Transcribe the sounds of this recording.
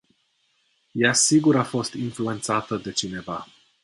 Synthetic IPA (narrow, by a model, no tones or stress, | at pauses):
jasiɡuɾafo̞st̪influe̞nt̪sat̪əd̪e̞t͡ʃine̞va